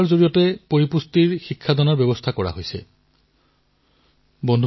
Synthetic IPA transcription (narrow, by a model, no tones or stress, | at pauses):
ɹzoɹijɔtɛpoɹipustiɹxikʰːadɔnaɹbɛbɔst̪ʰakɔɹa̰ɦojsɛ̰ | bɔndʱ